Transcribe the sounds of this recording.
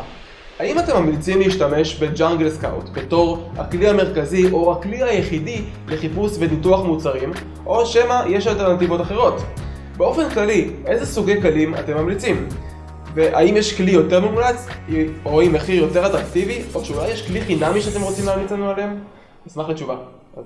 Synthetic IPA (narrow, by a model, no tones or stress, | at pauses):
haimate̞mːamlit͡simleiʃtame̞ʃbe̞d͡ʒaŋɡlska̰w̰tbe̞to̞ʁha̰kliame̞ʁ̞kaziʔo̞hakliajeχidi | le̞χipusve̞nituaχmut͡saʁim | ʔo̞ʃemaje̞ʃalte̞ʁnativo̞taχeʁ̞o̞t | be̞o̞fe̞nklaliʔe̞zesuɡe̞jkalima̰te̞mːamlit͡sim | veʔa̰imjeʃklijo̞te̞ʁmemulat͡so̞imeχijo̞teʁatʁaktivioʃeulajːeʃkliχinamiʃeatemʁot͡simlaːmlit͡sanualeem | smaχlet͡ʃuva | a